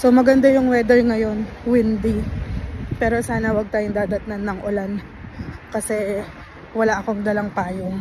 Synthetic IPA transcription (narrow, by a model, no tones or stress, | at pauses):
so̞mɐɡɐnd̪ajʊŋwɛd̪ɛɹŋɐjo̞nwɪnd̪i | pɛːɾo̞saːnɐwɐɡ̚t̪aːjoŋd̪aːd̪ɐt̪̚nanːɐŋʔolan | kɐsɛ | wɐlaʔɐko̞ŋd̪ɐlɐŋpaːjo